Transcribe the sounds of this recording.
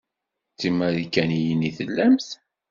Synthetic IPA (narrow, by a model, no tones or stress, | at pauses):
t͡sːimæɾikːænijəniθəlːæmθ